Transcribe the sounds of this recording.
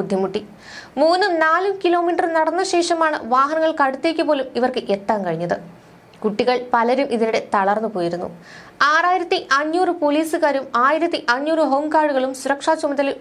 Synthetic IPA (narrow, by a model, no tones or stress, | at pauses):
ud̪ʱjɐmuʈːi | muːnːɨnaːlumkilo̞ːmiːʈɐrnɐɽɐnːɐɕe̞ːʂɐmaːɳɨ̰ʋaːɦɐnɐŋːɐɭkɐɽut̪ːeːkʲːɐpo̞ːlumiʋɐrkɨʔet̪ːaːmkɐɻiɲːɐðɨ | kuʈːiɣɐɭpɐlɐɾumʔiðiɾuɽe̞t̪ɐɭɐrnːɨpoːjiɾunːṵ | aːraːjiɾɐt̪ːiʔɐɲːuːrɨpoliːsɨkaːɾumaːjiɾɐt̪ːiʔɐɲːuːrɨɦoːmkaːɽuɣɐɭumsuɾɐkʂaːt͡ɕumɐðɐl